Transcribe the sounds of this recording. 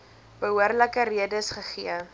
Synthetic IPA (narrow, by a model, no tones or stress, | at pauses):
b̥əɦuərləkəriədəəsχəχiə